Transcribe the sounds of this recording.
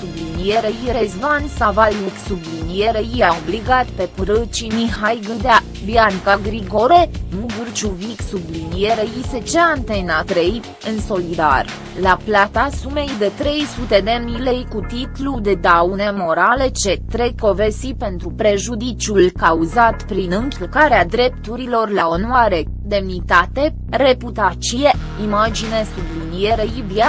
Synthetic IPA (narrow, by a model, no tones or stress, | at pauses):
sublinijeɾeiɾezvansavaliksublinijeɾejijaobliɡat̪pe̞pɨɾɨt͡ʃimihajɡɨd̪a | viankaɡɾiɡoɾenuɡɨrt͡ʃuviksublinijeɾejiset͡ʃeant̪enat̪ɾej | ɨnso̞lid̪a̰r | laplat̪asume̞jd̪e̞t̪ɾe̞jsut̪e̞d̪e̞mnile̞jkut̪it̪lud̪e̞d̪awne̞mo̞ɾale̞t͡ʃe̞t̪ɾekko̞vesipe̞nt̪ɾupɾe̞ʒud̪it͡ʃulkauzat̪pɾinɨŋkʲilkaɾead̪ɾe̞p̚t̪uɾilo̞rlao̞noaɾe̞ | d̪e̞mnit̪at̪e̞ | re̞put̪at͡ʃie | imad͡ʒine̞sublinijeɾejvja